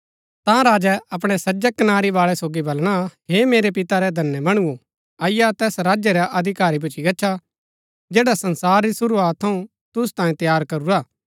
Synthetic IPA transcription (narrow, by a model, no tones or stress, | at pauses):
t̪ãɾaːd͡ʒɛɐp̬ɽ̃ɛsɐd͡ʒɛkɐnaːɾiʋaːɭɛsoːɡibɐlɽ̃aɦeːmeːɾepɪt̪aɾɛd̪ʱɐnːəmɐɽ̃uo | aːɪjat̪ɛːsɾaːd͡ʒjɛɾaʔɐd̪ʱɪkaːɾibʊt͡ʃʰiɡɐːt͡ʃʰa | d͡ʒeːɽasɐnsaːɾːisʊɾuaːt̪ʰːɐũ | t̪ʊs̬t̪ãːĩt̪ɐjaːɾkɐɾuɾaː